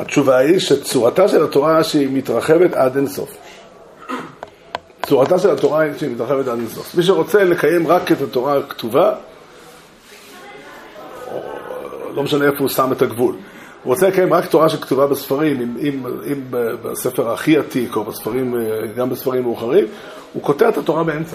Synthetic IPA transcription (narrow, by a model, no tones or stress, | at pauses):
hat͡ʃuvaiʃet͡suʁataʃelato̞ʁaʃeimitʁaχeve̞tadenso̞̰f | t͡suʁataʃelato̞ʁaiʃeimitʁaχevetad̪enso̞̰fmiʃ̬eʁo̞t͡sele̞kaje̞mʁaketato̞ʁaktuva | o̰lo̞meʃaneefousametaɡvul | uʁot͡selekajemʁakto̞ʁaʃektuvabesfaʁimimimimbeba̰sefeʁaχiatikobesfaʁimɡambesfaʁimːeuχaʁim | uko̞teʁetato̞ʁabeemt͡sa